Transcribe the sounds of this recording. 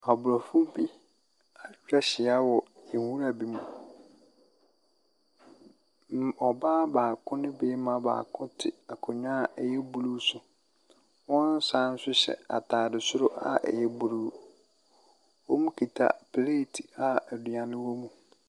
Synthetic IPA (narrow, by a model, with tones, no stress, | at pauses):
a˨bʊ˨ɾɔ˨fʊ̃˦bi˦ | a˨˦ɾa˦ɕɪ˨a˦wɔ˨jɛ˨wu˦ɾa˨bi˦mũ˨ | ɔ˨baː˦baː˨kʰʊ̃˦nɪ̃˦beː˦mã˦ba̰ː˨kʰʊ̃˦tʰɪ˨a˨kʰʊ̃˨ɲãː˦˨ɛ˨jɛ˦bu˨lu˦sʊ˦ | wɔ̃˦n˦sã˦n̩˦sʊ˦ɕɛ̰˨a̰˨tʰaː˨dɪ˨sʊ˦ɾʊ˦ʔa̰˨ʔɛ̰˨jɛ˦bu˨ɾuː˦ | wɔ˦mũ˦kʰi˨tʰa̰˨pʰleː˦˨tʰi̥˨a˨ɛ˨du˨ã˨nɪ̃˦wɔ˦mũ˨